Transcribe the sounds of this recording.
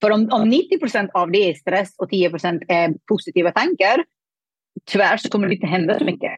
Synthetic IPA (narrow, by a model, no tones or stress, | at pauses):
fœɾɔmɔmnɪt̪ːɪpʰɾʊsɛnt̪avd̪ɛæɾst̪ɾɛsɔt̪ʰiːəpɾʊsɛnt̪ʰɛɾpʰʊsɪt̪ʰiːvat̪ʰaŋkaɾ | t̪ʰʏvæːʂɔkʰɔmːəɖɛɪnt̪əɦɛnd̪asɔmʏkːə̰